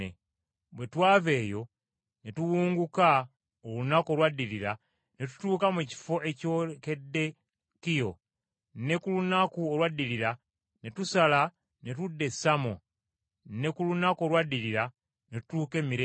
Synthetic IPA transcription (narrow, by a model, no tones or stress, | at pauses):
ḛ | bwe̞twaːve̞ːjo̞ | ne̞tuwuːŋɡuka | olunako̞lwadːiɾiɾa | ne̞t̬u̥tuːkamuci̥fo̞ʔe̞coke̞dːe̞ | kijo̞ | nːe̞kulunakuolwadːiɾiɾa | ne̞tusala | ne̞tudːe̞sːamo̰ | nːe̞kulunako̞lwadiɾiɾa | ne̞tu̥tuːke̞ːmiɾe